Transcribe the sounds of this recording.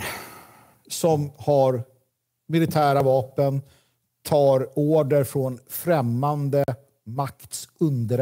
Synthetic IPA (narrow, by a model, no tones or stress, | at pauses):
sɔmhaɾ | mɪlɪt̪ʰæːɾavɑːpən | t̪ʰɑːɾoːɖəɾfɾɔnfɾɛmːand̪ə | makt̪sɵnd̪əɾ